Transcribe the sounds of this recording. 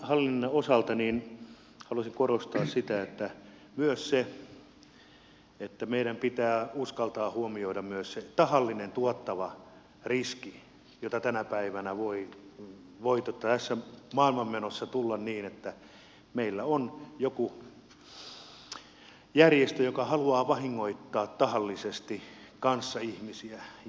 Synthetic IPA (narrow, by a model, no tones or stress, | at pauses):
hɑlːinːɑosɑlt̪ɑniːn | hɑluɑsiŋkorost̪ɑːssit̪æet̪ːæ | myøsse | et̪ːæmeiɾæmpit̪æːuskɑlt̪ɑːhuomioiɾɑmmyøsset̪ɑhɑlːinent̪uot̪ːɑʋɑ | riski | jot̪ɑt̪ænæpæiʋænæʋoi | ʋoit̪ot̪ːɑt̪æsːæmɑːilmɑmmenosːɑt̪ulːɑnniːnet̪ːæ | meilːæonjoku | jærjest̪øjokɑhɑluɑːʋɑhiŋːoit̪ːɑːtt̪ɑhɑlːisest̪ikɑnsːɑihmisiæ